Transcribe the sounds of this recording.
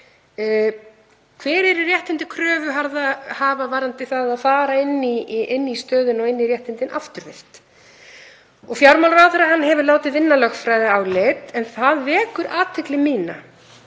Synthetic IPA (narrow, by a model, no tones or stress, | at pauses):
kʰv̥ɛːɾɛɾɪrjɛht̪ɪnt̪ɪ̥kʰɾœːvʏɦaɾðahaːvavaɾant̪ɪθaðaðfaːɾaɪnːiɪnːist̪œːðʏnɔɣɪnːirjɛht̪ɪnt̪ɪnʔaft̪ʏɾvɪr̥t̪ | ɔɣfjawɾmawlɾawθɛɾahanːɦɛvʏɾlaːwt̪ɪðvɪnːalœxfɾajðɪawlejt̪ɛnθaðvɛːkʏɾʔaːt̪ʰɪklɪmiːna